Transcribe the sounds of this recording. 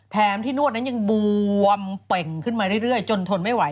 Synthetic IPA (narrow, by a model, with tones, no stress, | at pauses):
t̪ʰɛː˦˥mt̪ʰiː˥˩nu˥˩ət̪̚na˦˥nja˧ŋbu˧əmpe˨˩ŋkʰɯ˥˩nmaː˧ɾɯ˥˩jɾɯ˥˩əjt͡ɕo˧nt̪ʰo˧nma˥˩jwa˩˦j